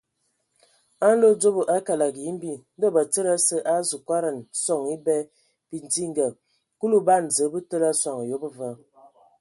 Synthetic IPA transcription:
a˦n˦lo˦d͡zo˦bə˨ʔa˦ka˨la˨ɡi˦m˦bi˦˨n˦də˦˨bə˨t͡sə˦ɾa˦sə˦ʔa˦zu˨kwa˦ɾə˨nsɔ˦˨ŋi˦bɛ˦ | pi˨ndi˦ŋ˦ɡə˨ | ku˦lu˦ba˦˨n̩˨zə˨˦bə˦tə˦la˦swa˨ŋ˨jo˨˦bə˦və˦

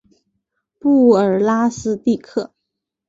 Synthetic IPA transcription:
pu˥˩ə˨˩˥la˥sɹ̩˥t̪i˥˧kʰɤ˥˩

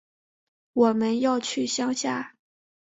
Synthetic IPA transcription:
wɔ˨˩mə˦njɑ˥˧ʊt͡ɕʰy˥˩ɕjɑ˥ŋɕja˥˩

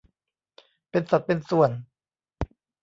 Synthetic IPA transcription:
pe˧nsa˨˩t̪̚pe˧nsu˨˩ən

